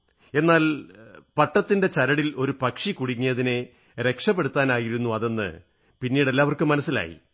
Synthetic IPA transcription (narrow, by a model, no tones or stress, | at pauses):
e̞nːaːlpɐʈːɐt̪ːinde̞t͡ɕɐɾɐɽilo̞ɾupɐkʂikuɽiŋːijɐðine̞ | ɾe̞kʂɐpːeɽut̪ːaːnaːjiɾunːuɐðe̞nːɨ̰ | pinːiːɽe̞lːaːʋɐrkɨmɐnɐsːila̰ːjḭ